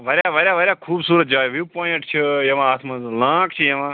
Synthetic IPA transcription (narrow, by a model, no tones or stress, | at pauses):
ʋɐɾʲjaːʋəɾʲjaːʋəɾjaːkʰuːbsuːɾət̪̚d͡ʒaːjʋiːpoːjiʈt͡ʃʰijɐʋãːaːt̪ʰmãzlãːkt͡ʃʰijɐʋãː